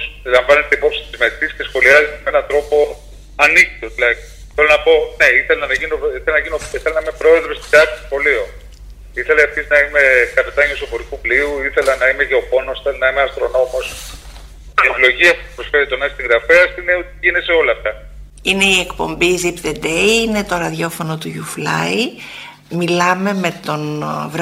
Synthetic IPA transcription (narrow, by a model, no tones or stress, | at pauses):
silɐɱvɐne̞t̪e̞ipo̞psi̥t̪izmet̪iscesxo̞liɐzimenɐnt̪ɾo̞po̞ | ɐnikt̪ot̪ilɐk | θelonɐpo̞ne̞iθelnɐʝinioiθelɐnɐʝinoiθelɐnɐimepɾoeðest̪id̪ɐkt̪o̥sxo̞lio | iθe̞leɐfçisnɐime̞kɐpet̪ɐɲosopoɾikupliuiθe̞lɐnɐimeʝeopo̞nosi̥θelenɐimeɐst̪ɾo̞no̞mos | iepilo̞ʝiɐspupɾosfeɾit̪o̞nɐsist̪iŋɡɾɐfeɐsineot̪iʝineseo̞lɐːft̪ɐ | ine̞ie̞kpo̞̰mbizipðed̪ejine̞t̪o̞ɾɐðʝo̞fo̞no̞t̪uʝuflɐ̰i | milɐme̞me̞t̪o̞nvɾ